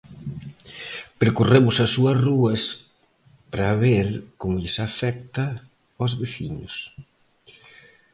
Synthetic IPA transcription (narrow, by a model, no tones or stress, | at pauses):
peɾkuremʊsɐsuɐsruɐs | pɾaβeɾkoŋʎɪsafɛk̚t̪ɐ | ozβeθḭɲʊs